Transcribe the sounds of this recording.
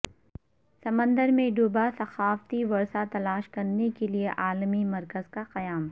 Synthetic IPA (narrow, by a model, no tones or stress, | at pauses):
sɐmə̃nd̪əɾmẽɖuːbasɐxaːft̪iʋɐɾsat̪ɐlaːʃkɐɾnekelieʔaːlmimɐɾkəzkaqɐjaːm